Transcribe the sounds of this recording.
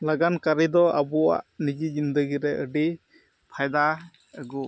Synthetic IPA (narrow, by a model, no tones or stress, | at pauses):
laɡankaɾid̪ɔabɔa̰ʔnid͡ʒid͡ʒind̪əɡiɾɛʔəɖi | pʰajd̪a | əɡɔ